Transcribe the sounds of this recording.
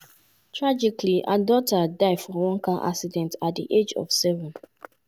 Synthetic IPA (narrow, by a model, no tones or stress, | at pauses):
tʰɹad͡ʒikliʔa̰dɔtadaɪfɔwɔ̃ŋkaʔa̰ksidɛ̃ntat̚dḭʔed͡ʒɔ̰fsɛvɔ̃n